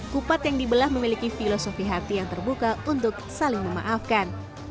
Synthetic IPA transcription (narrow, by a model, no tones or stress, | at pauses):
kupat̪jaŋdibəlahməmilikifilosofiɦat̪ijaŋt̪ərbukaunt̪ʊk̚salɪŋməma̰ʔafkan